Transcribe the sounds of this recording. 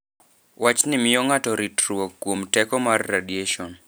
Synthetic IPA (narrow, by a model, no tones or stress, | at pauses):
wat͡ʃnɪmɪɔŋatɔɾitɾuɔkːwomtɛkɔmarːadieʃɔn